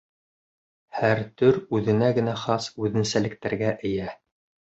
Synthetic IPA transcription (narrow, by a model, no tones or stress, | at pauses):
hæɾt̪ɵɾʉðɘ̆næɡɘ̆næχɑsʉðɘ̆nsælɘ̆k̚t̪æɾɡæʔɘ̆jæ